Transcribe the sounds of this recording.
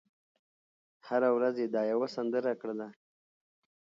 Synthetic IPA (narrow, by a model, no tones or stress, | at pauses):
haɾawɾazjed̪ɑjawasand̪əɾakɽela